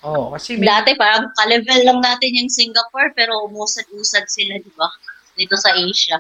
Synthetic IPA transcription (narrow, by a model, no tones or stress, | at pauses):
okɐsd̪aːt̪ɛpaːɾɐŋkɐlɛvɛlːɐŋnaːt̪ɪnjɐŋsiŋɡɐpoɹpɛːɾo̞ʔʊmuːsɐd̪̚ʔuːsɐd̪̚sɪlad̪ɪba | d̪it̪o̞sɐʔejʃɐ